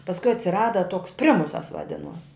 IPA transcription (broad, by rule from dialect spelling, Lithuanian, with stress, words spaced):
pɐsˈkʊɪ ɐtʲsʲɪˈrɑːdɐ toːks ˈpʲrʲɪmʊsɐs ʋɐˈdʲɪnuɔs